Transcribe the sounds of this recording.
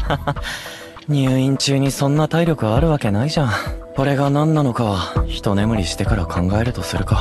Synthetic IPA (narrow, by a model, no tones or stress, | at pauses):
ɲ̟ɨːĩɲ̟t͡ɕɨːɲ̟isõ̞nːat̪aiɾʲo̞kɯ̟βaːɾɯ̟βake̞naiʑãko̞ɾe̞ɡanãnːano̞kaβaçi̥t̪o̞ne̞mɯ̟ɾʲiɕi̥t̪e̞kaɾakʰãŋɡae̞ɾɯ̟t̪o̞sɨɾɯ̟ka